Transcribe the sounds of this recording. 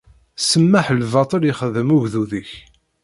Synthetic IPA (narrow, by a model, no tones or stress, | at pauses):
səmːaħlvɑt̪ˤəliχəðəmʊʝðuðəç